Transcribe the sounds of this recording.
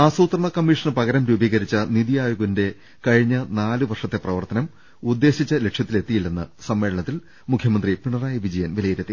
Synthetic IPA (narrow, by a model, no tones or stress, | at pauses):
aːsuːt̪rɐɳɐkɐmːiʂɐnɨpɐɣɐɾɐmɾuːbiːɣɐɾit͡ɕːɐniðijaːjuɣɐnde̞ | kɐɻiɲːɐnaːlɨʋɐrʂɐt̪ːe̞prɐʋɐrt̪ɐnɐm | ud̪ːe̞ːɕit͡ɕːɐle̞kʂjɐt̪ːile̞t̪ːijilːenːɨsɐmːe̞ːɭɐɳɐt̪ːil | mukʰjɐmɐnd̪ripiɳɐraːjɐʋid͡ʑɐjɐnʋilɐjiɾɐt̪ːi